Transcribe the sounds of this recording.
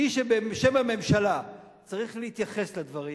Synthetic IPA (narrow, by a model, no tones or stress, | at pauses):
iʃebeʃe̞mame̞mʃala | t͡saʁiχleit̪jaχe̞slad̪vaʁi